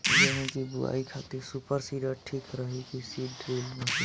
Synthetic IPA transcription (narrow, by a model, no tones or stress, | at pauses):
d͡ʒəɦĩkibṵa̰ikʰat̪iɾsupəɾsiɖəɾʈʰikɾəɦikisiɖɾilmesi